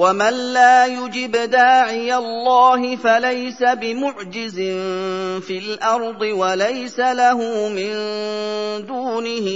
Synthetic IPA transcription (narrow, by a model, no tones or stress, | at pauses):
wamanlaːjʊd͡ʒɪbd̪aːʕɪjalːɑːɦɪfalajsabɪmʊʕd͡ʒɪzɪnfiːlʔɑɾˤd̪ˤɨwalajsalaɦʊmɪn | d̪uːnɪhɪ